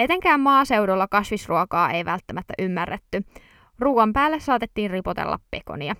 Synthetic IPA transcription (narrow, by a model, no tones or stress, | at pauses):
et̪e̞ŋkæːmmɑːse̞udolːɑkɑsʋisruokɑːʔe̞jʋælt̪ːæmæt̪ːæʔymːærːet̪ːy | ruːɑmpæːlːesːɑːt̪et̪ːiːnripot̪ḛlːʔɑ̰ppe̞ko̰niɑ